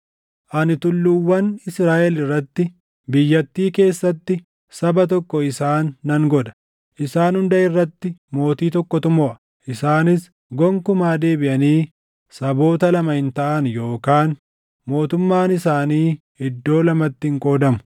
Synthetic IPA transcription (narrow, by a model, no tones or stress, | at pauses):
ʔɐnɪt̪ʊlːʊwːɐnɪsɾaːʔɛlɪrːɐt̪ːɪ | bɪjːɐt̪ːiːke̞ːsːɐt̪ːɪ | sɐbɐt̪̬ɔkːɔɪsaːnːɐŋɡɔd̪ɐ̥ | ʔɪsaːnhʊnd̪ɐʔɪrːɐt̪ːɪmo̞ːt̪iːt̪ɔkːɔt̪ʊmɔʔɐ | ʔɪsaːnɪs | ɡɔŋkʊmaːd̪e̞ːbɪʔɐniː | sɐbo̞ːt̪ɐlɐmɐhɪnt̪ɐʔɐnjo̞ːkaːn | mo̞ːt̪ʊmːaːnɪsaːniː | ɪd̪ːo̞ːlɐmɐt̪ːɪŋkʼo̞ːd̪ɐmʊ